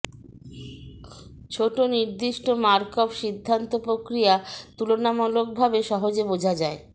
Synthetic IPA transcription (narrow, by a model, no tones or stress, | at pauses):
t͡ɕʰoʈoniɾd̪iʃʈomaɾkobʃid̪ʱːant̪opɾokɾijat̪ulonamɔlok̚bʱabeʃɔɦod͡ʑebod͡ʑʱad͡ʑae